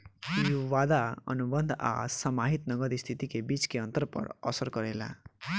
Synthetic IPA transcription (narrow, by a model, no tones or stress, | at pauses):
jowad̪aʌ̰nubʌnd̪ʱa̰samaɦit̪nʌɡʌd̪ist̪ʰit̪ikebit͡skeʌnt̪ʌrpʌ̰ɾʌ̰sʌrkʌɾela̰